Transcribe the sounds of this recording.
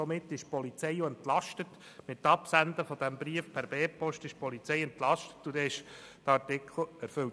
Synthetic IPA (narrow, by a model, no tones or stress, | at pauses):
ɔmɪt̪ːɪʃpɔlit͡sɛɪjoɛnt̪lɑʃtət̪ | mɪt̪ːɑpsænd̪əfɔd̥̪æmbɾiəfpʰæɾbɛːpɔʃtɪʃpɔlit͡sɛjɛnt̪lɑʃtə̥t̪ːud̪ɛɪʃd̥̪ɑɾtɪkʰl̩ˠæɾføl